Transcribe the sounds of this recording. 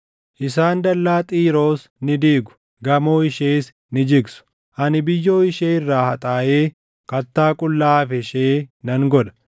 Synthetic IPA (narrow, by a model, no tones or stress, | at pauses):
ʔɪs̬aːnd̪ɐlːaːt̪ʼiːɾo̞ːs | nɪd̪iːɡʊ̥ | ɡɐmo̞ːɪʃeːs | nɪd͡ʒɪɡsʊ̥ | ʔɐnɪbɪjːo̞ːɪʃeːɪrːaːhɐt̪ʼaːʔeː | kɐt̪ːaːkʼʊlːaːfɛʃeːnɐŋɡɔᶑɐ̥